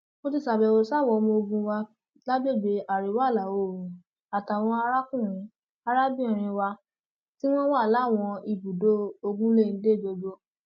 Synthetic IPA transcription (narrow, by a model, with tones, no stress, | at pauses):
o˧ti˦˧˨sa˨bɛ˨o˨sa˦˨wɔ˧˦˧mõ˧o˧ɡũ˧wa˧ | la˦be˦˨be˨˧a˨ɾi˨˦wa˦˨la˨o˨ɾ | a˨ta˨w̃ɔ̃˧a˧ɾa˦kũ˦˨ɾ̃ĩ˨˦ | a˧ɾa˦bi˦ĩ˨ɾ̃ĩ˧wa˧ | ti˦w̃ɔ̃˦wa˦˨la˨˦˨w̃ɔ̃˧i˨bu˨do˦o˧ɡũ˦le˦˨ĩ˨˦de˦˨d͡ʒo˧d͡ʒo˧˦